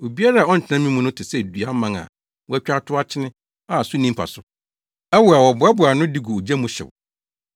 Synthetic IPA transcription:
o˨bi˦a˦ɾa˦˨ɔ˦n̩˨t͡ɕʰɪ̃˨nã˦mĩ˦mʊ̃˦nʊ̃˦tʰɪ˨sɛ˦˨dɥa˦mã˨ŋa̰˨ | wɔ˦æ˦t͡ɕᶣa˦tʰʊ˦a˦t͡ɕʰɪ˦nɪ̃˦ | a˨sʊ˦nĩ˦mpʰa̰˨sʊ˨ | ɛ˦wʊ˨a˨wɔ˨bʊ˨˦ɛ˦bʊ˨a˨nʊ̃˦di˦ɡu˨o˨d͡ʑæ˦mũ˦ɕɪ̰˨w

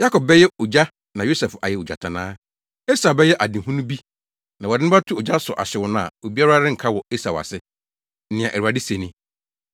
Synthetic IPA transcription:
ja˦kʰɔ˨b̚bɛ˦jɛ˦o˨d͡ʑa˦ | nã˨jo˦sɛ˨fa˨jɛ˨o˨d͡ʑa̰˨tʰã˨nãː˦ | e˦sa˨bɛ˦jɛ˦ʔa˨dɪ̃˨ɦũ˦nũ˦bi˦ | nã˨wɔ˨dɪ˦nɪ̃˦ba˦tʰʊ˦ɔ˨d͡ʑa˦sʊ˨ʔa̰˨ɕɪ˨wʊ˨˦nã˦˨a̰˨o˨bi˦a˦ɾa˦ɾɪ̃˦ŋ̩˨kʰa˦wɔ˨e˦sa˨wa̰˨sɪ˦ | n̩˦nɪ̃˨ã˨ʔæ˨u˨a˨dɪ˦se˨nĩ˦

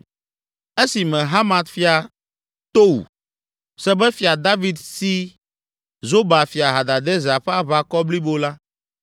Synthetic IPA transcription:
e˦si˨mɛ̃˨ɦa˦mã˨t̪fi˦a˨ | t̪o˦wṵ˨ | sɛ˦bɛ˦fi˨a˨d̪a˦vi˨d̪si˦ | zo˦ba˨fi˨a˨ɦa˨d̪a˨d̪ɛ˦zɛ˨a˨ɸɛ˦a˦βa˨kɔ˦bli˦bo˦la˦

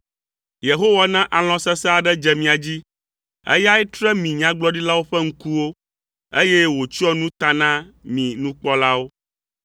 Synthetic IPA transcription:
je˨ɦo˦wa˦nã˦ʔa˨l̃ɔ̃˦sɛ˦sɛ˦a˨ɖɛ˦d͡ʒɛ˨mĩ˨a˨d͡ʑi˦ | ḛ˦ja˦ɛ˦t̪ɾɛ˦mĩ˨ɲã˦ɡ͡blɔ˦ɖi˦la˦wo˦ɸɛ˦ŋ̩˦ku˦wo˦ | e˦je˦wo˨t͡ɕi˦ɔ˦nũ˦t̪a˨nã˦mĩ˨nũ˦k͡pɔ˦la˦wo˦

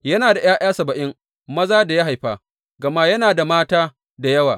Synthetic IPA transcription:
jɐ˦naː˨da˨jaː˦j̰aː˦sɐ˨bɐ˨ʔɪ˦ŋ | mɐ˦zaː˦da˨ja˦ɦa˨jɸaː˨ | ɡɐ˨ma˦jɐ˦naː˨da˨maː˦taː˦ | da˨jɐ˦waː˨

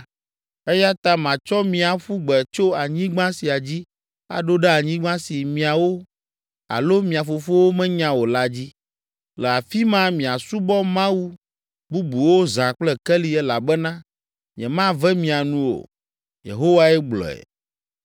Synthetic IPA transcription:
ɛ˦ja˦t̪a˦mã˨t͡ʃɔ˦mĩ˨a˨ɸu˦ɡ͡bɛ˨t͡ʃo˦a˨ɲĩ˦ɡ͡bã˦si˨a˨d͡ʑi˦ | a̰˨ɖo˦ɖɛ˦a˨ɲĩ˦ɡ͡bã˦si˨mĩ˨a˨wo˦ | a̰˨lo˦mĩ˨a˨fo˨fo˦wo˦mɛ̃˦ɲã˦wo˨la˦d͡ʑi˦ | lɛ˨a˨fi˦mã˦mĩ˨a˨su˦bɔ˦mã˦wu˦ | bu˦bu˨wo˦zã˨k͡plɛ˦kɛ˦li˦ɛ˦la˨bɛ˦nã˦ | mĩ˨ɛ̃˨mã˦vɛ˦mĩ˨a˨nũ˨wo̰˨ | jḛ˨ɦo˦wa˦ɛ˦ɡ͡blɔ̰˨ɛ̰˨

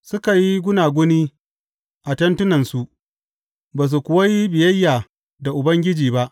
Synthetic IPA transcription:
sʊ˦ka˨ji˦ɡʷʊ˦naː˨ɡʷʊ˦niː˦ | ʔa˨tɐ˦ntʊ˦nɐ˨nsu˨ʔ | baː˨s̬u˨kʷʊ˨wa˦ji˦bɪ˨jɐ˦jːaː˨ | da˨ʔʊ˨bɐ˦ŋɡʲɪ˦d͡ʒiː˨ba˦ʔ

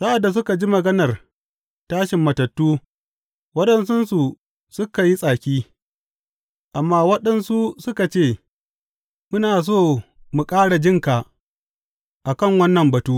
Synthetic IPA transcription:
sa˦ʔa˨da˨s̬ʊ˦ka˨d͡ʒi˦mɐ˨ɡɐ˦nɐ˨r | taː˦ʃɪ˨mːɐ˨tɐ˨tːuː˦ | wɐ˦ɗɐ˨nsʊ˦nsu˨ | sʊ˦ka˨ji˦sʼaː˨kʲiː˦ | ʔa˨mːaː˦wɐ˦ɗɐ˦nsu˦sʊ˦ka˨t͡ʃeː˦˨ | mʊ˦naː˨s̬oː˦˨ | mu˨kʼaː˦ɽa˨d͡ʒɪ˦ŋka˨ | ʔa˨kɐ˦˨ŋwɐ˦nːɐ˨mbɐ˨tuː˦ʔ

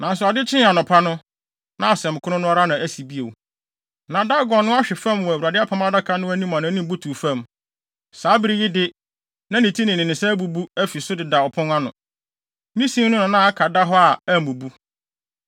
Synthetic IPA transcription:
nã˨s̬ʊ˨a˨dɪ˦t͡ɕʰɪ̃˦n˦a˨nʊ̃˨pʰa˦nʊ̃˦ | nã˦a˨sɛ̃˨m˨kʰʊ˦nʊ̃˦nʊ̃˦ɔ˦ɾa˦nã˨æ˦si˨bi˦e˨w | nã˨da˦ɡɔ˨nʊ̃˦a˦ɕᶣɪ˨fã˦mwɔ˨wa˨dɪ˦a˦pʰa˨˦m˦a˦da˦kʰa˦nʊ̃˦æ˦nĩ˦mã˨nã˨˦nĩ˦m˦bu˦tʰuː˨fã˦˨m | saː˨˦bɪ˦ɾi˦jɪ˦dɪ˦ | nã˦nĩ˨tʰi˦nɪ̃˨nɪ̃˨nɪ̃˨sɛ˦bu˨bu˦æ˦fi˨sʊ˦dɪ˨da˨ɔ˨pʰʊ̃˦ŋa˦nʊ̃˨ | mĩ˦sĩ˦mnʊ̃˦nʊ̃˨nã˦a˦kʰa˨da˦ɦɔ˦a˨æ˦˨mũ˨bu˦

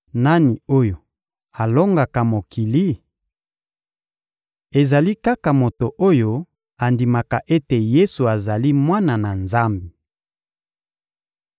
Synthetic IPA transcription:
na˦ni˨o˦jo˨ | a˨lo˦ŋɡa˨ka˨mo˨ki˨li˦ | e˨za˨li˦ka˦ka˨mo˨to˨ʔo˦jo˦ | a˨ndi˨ma˨ka˨ʔe˦te˨je˦su˨a˨za˨li˦mwa˦na˨na˨nza˦mbi˨

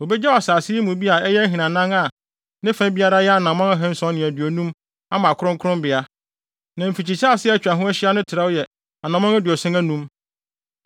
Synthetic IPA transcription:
o˨bɛ˦d͡ʑɛ˦˨a˨saː˨sɪ˦mũ˨bi˦a˨ɛ˦jɛ˦æ˦ɦĩ˨nã˨nã˦ŋa˨ | nɪ̃˦fã˦bi˦a˦ɾa˦jɛ˦a˨nã˨mã˦ŋa˦ɦɛ̃˦n̩˦sɔ̃˨˦nɪ̃˨æ˨dɥɔ˨nũ˦m | a˦mã˨kʰʊ˦ɾʊ̃˦kʰɾʊ̃˦mbɪ˨a˦ | nã˨m̩˨fi˨t͡ɕi˨t͡ɕʰa˦a˨sɪ˦ɛ˦˨t͡ɕᶣa˨ɦũ˦æ˦ɕɪ˦a˦nʊ̃˦tʰɪ˨ɾa˦wjɛ˨ | a˨nã˨mã˦ŋæ˦dɥɔ˨sɪ̃˦æ˦nũ˦m

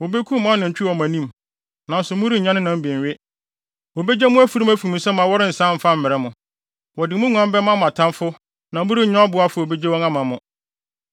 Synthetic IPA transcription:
wo˨be˦kʰũ˦mã˦nɪ̃˨ɲ̩˨t͡ɕᶣɪ˦wɔ˨mã˨nĩ˦m | nã˨n̩˦sʊ˨mʊ̃˦ɾi˦˨ɲã˦nɪ̃˦nã˨m̩˦bɛ̃˨ɥɪ˦ | wɔ˨be˦d͡ʑɛ˦mʊ̃˦æ˦fu˨ɾi˦mæ˦fu˨ĩ˨sɛ˦mã˨wɔ˦ɾɪ˦n̩˨sã˦m̩˨fa˦m̩˨mɪ̃˨ɾɛ˦mʊ̃˨ | wɔ˨dɪ˨˦mʊ̃˦ŋʷ˨˦ã˦m˦bɛ˦mã˦m̃˨a˨tʰã˦nfʊ˦ | nã˨˦mʊ˦ɾi˦˨ɲã˦ɔ˦bʊ˨˦a˦fʊ˨o˨be˦d͡ʑɛ˦wɔ̃˦nã˦mã˨mʊ̃˦˨

